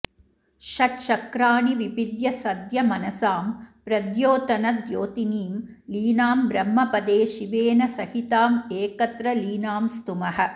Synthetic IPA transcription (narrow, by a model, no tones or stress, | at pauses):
ʃɐʈʃɐkɾaːniʋibid̪jɐsɐd̪jɐmɐnɐsaːmpɾɐd̪joːt̪ɐnɐd̪joːt̪iniːm | liːnaːmbɾɐmːɐpɐd̪eːʃiʋeːnɐsɐhit̪aːmeːkɐt̪ɾɐliːnaːmst̪umɐɦɐ̆